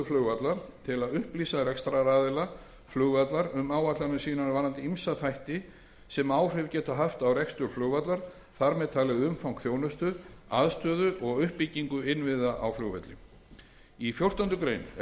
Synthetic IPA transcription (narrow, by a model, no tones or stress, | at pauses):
ʏflʏɣvat̪laɾ̥t̪ʰɪlaðʏhpliːsaɾɛkst̪ɾaɾaːðɪla | flʏɣvat̪laɾʏmaːwvat̪laɾnɪsiːnavanːant̪imsaðfajht̪ɪ | sɛmaːwrɪvcɛːt̪aɦaft̪awrɛkst̪ʏɾflœɣvat̪laɾ̥ | θaɾmɛðt̪ʰaːlɪɣʏmfawŋkθjoːwnʏst̪ʏða̰ðst̪œːðʏʔɔɣʏhpːicːiŋkʏɪnvɪðaʔawflʏɣva̰t̪lɪ̰ | ifjowr̥t̪ant̪ʏkɾejn